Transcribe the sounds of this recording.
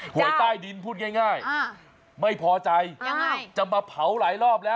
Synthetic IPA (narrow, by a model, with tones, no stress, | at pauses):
hu˨˦əjt̪aː˥˩jdi˧npʰuː˥˩t̪̚ŋaː˥˩jŋaː˥˩j | ma˥˩jpʰɔː˧t͡ɕa˧jt͡ɕa˧˩maː˧pʰa˩˦wlaː˩˦jlɔː˥˩p̚lɛː˦˥w